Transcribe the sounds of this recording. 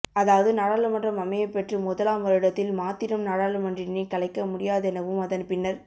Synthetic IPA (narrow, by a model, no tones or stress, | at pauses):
ɐðaːʋɐðɯnaːɽaːɭɯmɐndrɐmɐmɐjɐɪpːɛʈrɯmʊðɐlaːmʋɐɾɯɽɐt̪ːɪlmaːt̪ːɪɾɐmnaːɽaːɭɯmɐndrɪnɐkɐɭɐɪkːɐmʊɽɪjaːðɐɛnɐʋɯmɐðɐnpɪnːɐɾ